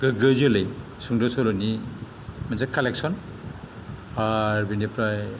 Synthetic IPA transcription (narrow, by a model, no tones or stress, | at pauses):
ɡɯɡɯzɯlej | suŋdɔsɔlɔni | manzakalek̚sɔn | aɾbinipɾaj